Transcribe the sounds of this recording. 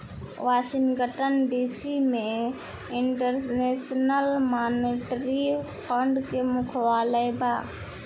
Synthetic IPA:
ʋaːsinɡəʈənɖisime | iɳʈəɾnesnəlmaːniʈɾi | kəɳɖkemukʰwaːləjba

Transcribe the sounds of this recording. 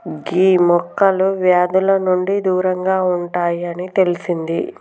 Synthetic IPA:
ɡiːmɔkːɐluʋjaːd̪ulɐnuɳɖid̪uːɾɐŋɡaːuɳʈaːjɐnit̪e̞lisind̪i

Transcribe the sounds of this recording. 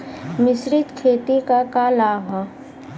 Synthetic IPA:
mɪsɾɪt̪kʰeːt̪ikakaːlaːɦã

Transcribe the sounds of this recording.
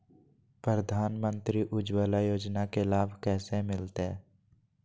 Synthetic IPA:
pɾɾəd̪ʱaːnmə̃nt̪ɾiʔʊd͡ʒwəlajoːd͡ʒnakelaːbʱkɛːsemɪlt̪e

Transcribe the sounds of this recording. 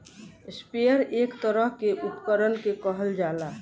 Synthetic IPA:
spejəɾeːkt̪əɾəɦkeʔupkəɾənkekəɦəld͡ʒaːla

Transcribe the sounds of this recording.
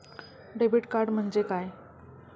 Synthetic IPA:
ɖebiʈkaɾɖm̤əɳd͡ʑekaj

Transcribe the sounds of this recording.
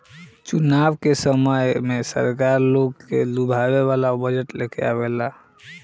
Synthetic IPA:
t͡ʃunabkesəməjmesə̰ɾkaɾlokːḛlubʱabeβalabəd͡ʒəʈlekea̰βela

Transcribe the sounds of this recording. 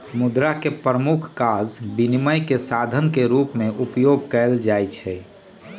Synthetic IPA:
mʊd̪ɾakepɾəmukʰkaːd͡ʒbiniməjkesad̪ʱənkeɾuːpmẽʔupjoɡ̚ʱkɛld͡ʒajt͡ʃʰɛ

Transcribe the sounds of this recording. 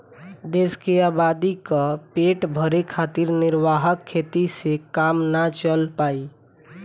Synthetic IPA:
d̪eskeaːbad̪ikəpeʈbʱəɾekʰat̪ɪɾnɪɾʋaɦəkʰːet̪isekamnat͡ʃəlpaːi

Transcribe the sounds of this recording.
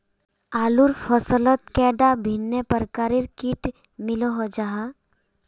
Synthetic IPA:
aːluɾfʰəsələt̪̚kɛːɖabʱinːepəɾkaːɾiɾkiʈ | mɪloɦɔd͡ʒaɦa

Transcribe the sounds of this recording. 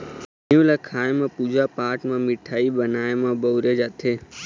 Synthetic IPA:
ijũlakʰaːẽmãːpuːd͡ʒʱapaːʈmãːmɪʈʰaːibənaːẽmãːbəːɾeːd͡ʒat̪ʰeː

